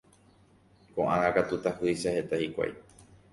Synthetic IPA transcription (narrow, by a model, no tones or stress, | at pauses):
kõʔãŋãkat̪ut̪ahɨjʃahet̪ahikʷa̰j